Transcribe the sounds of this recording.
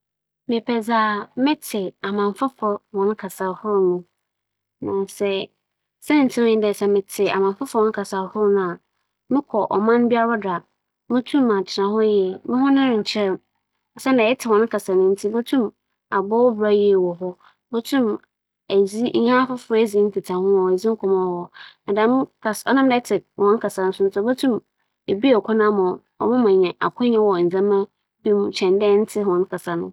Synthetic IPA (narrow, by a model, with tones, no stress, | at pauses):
mɪ̃˨pʰɛ˨zaː˨mɪ̃˦tʰɪ˨a˨mã˨ɱfa˦fɔ˨wɔ̃˨nʊ̃˦kʰa˨sa˨hʊ˦ɾnũ˦ | nã˨nsɛ˦ | sɛ˦n˨n̩˨tʰi˦mʊ̃˦ɲɪ̃˦dɛ˨sɛ˨mɪ̃˨tʰɪ˨a̰˨mã˨m˨fa˦fɔ̃˨nʊ̃˦kʰa˨sa˨hʊ˦ɾnʊ̃˦˨a˨ | mɪ̃˦kʰɔ˨ʔɔ˨mã˦nbi˦a˦ɾa˦da˨ | mʊ̃˦tʰũ˦mã˨t͡ɕʰɪ˨nã˨hɔ˦jɛ˨mɪ̃˦hʊ̃˦nɪ̃˦ɾɪ̃˨t͡ɕʰɪ˦ɾɛ˨m˨ | sɛ˦nã˨ɛ˦tʰɪ˨wɔ̃˨nʊ̃˦kʰa˨sa˨nʊ̃˦n̩˦tʰi˦bo˦tʰũ˦m | a˨bɔ˦wba˦jɛ˨wɔ˨ɦɔ˦ | mo˦tʰũ˦m | æ˨zi˦ɲã˦fʊ˦fe˦zi˦n̩˦tʰɪ˨tʰa˨hʊ̃˦ɔ˨e˨zi˦ŋ̩˦kʰɔ˨mã˦˨wɔ˨na˨dã˨˦m˦kʰa˨sɔ̰˦nã˦m˦dɛ˦tʰɪ˨hɔ̃˦n˦kʰa˨sa˨nʊ̃˦sʊ̃˦n̩˦sɔ˦bo˦tʰũ˦m | e˨bi˦ɔ˨kʷʰɔ˦nã˦mɔ̃˨ | ɔ̰˨mʊ̃˦mã˨ɲɛ̃˨ʔa̰˨kʰʊ̃˦ɲɛ̃˦wɔ˨n̩˨zã˦mã˦ | bi˦mũ˦t͡ɕʰɛ̃˨ndɛ˦n̩˦tʰɪ˦ɦɔ̃˨n˦kʰa˨sa˨nʊ̰̃˦